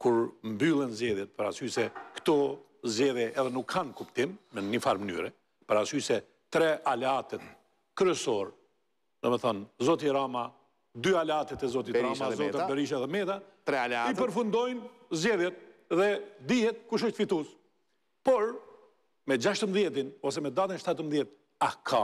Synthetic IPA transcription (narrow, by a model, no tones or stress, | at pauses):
kuɾmbylˠɛnzɛðjɛt̪̚pəɾasysɛkt̪ɔ | zd͡ʑɛðjɛʔːðɛnukʰːankupt̪imːɛnifaɾməny̰ɾɛ | pəɾasysɛ | t̪ɾɛʔalɛat̪ɛt̪̚ | kɾɛsɔɾ | d̪ɛmɛθɔnzɔt̪̬iɾama | d̪yalɛat̪ɛt̪ɛzɔt̪iɾamazɔpɛɾiʃ̬aðɛmɛt̪at̪ɾɛalaipəɾfund̪ɔjnzd͡ʑɛðjɛt̪̚ðɛd̪ihɛt̪̚kuʃ̬ɔʃt̪fit̪us | pɔɾ | mɛd͡ʒaʃt̪əmðjɛt̪inɔs̬ɛmɛd̪at̪ənʃt̪at̪əmðjɛt̪ | akʰa